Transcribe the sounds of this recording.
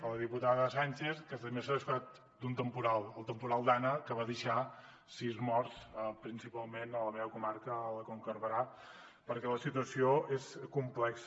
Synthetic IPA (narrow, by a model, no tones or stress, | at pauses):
ələð̞iput̪aðəsanʲt͡ʃeskəst̪əmesəisfat̪̚ | d̪unt̪əmpuɾalˠəlˠt̪əmpuɾalˠd̪anəkəβaðəʃa | sizmɔrsəpɾinsipalˠmenələmeβəkumaɾkəːləkoŋkəɾβəɾa | pəɾkɛləsit̪uəsioeskumplɛks